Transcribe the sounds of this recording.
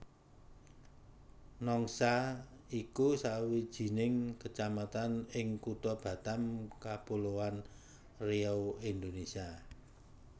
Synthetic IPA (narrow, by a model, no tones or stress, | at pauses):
nɔŋsaikusawid̥ʒ̥i̤nɪŋkət͡ʃamat̪anɪŋkut̪ɔb̥ä̤t̪amkapulowan | reowind̪onesia